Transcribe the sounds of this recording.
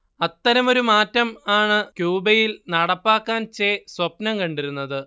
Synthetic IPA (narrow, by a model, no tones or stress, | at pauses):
ɐt̪ːɐɾɐmo̞ɾumaːtːɐmaːɳɨkjuːbɐjilnɐɽɐpːaːkːaːnt͡ɕeːswɐpnɐmkɐɳɖiɾunːɐðɨ